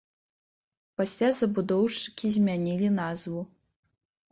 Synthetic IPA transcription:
pasʲlʲazɐbud̪ɔwt͡ʂɨ̥kʲizʲmʲanʲilʲinazvu

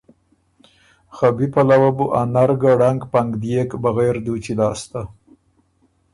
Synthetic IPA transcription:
xabipalawabuʔanaɾɡaɽaŋɡpaŋɡd̪jekbaɣejɾd̪ut͡ʃilɑːst̪a

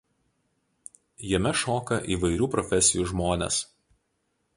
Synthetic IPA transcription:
jɛmʲɛʃoːkɐʔiːʋɐɪɾʲuːpɾɔfʲɛsʲɪjuːʒmoːnʲḛs

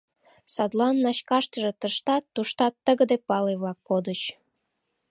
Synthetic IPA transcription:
sɑd̪lɑnːɑɕkɑʃt̪əʒet̪əʃt̪ɑt̪ːuʃt̪ɑt̪ːəɣə̆d̪epɑleβlɑkːod̪ət͡ɕ

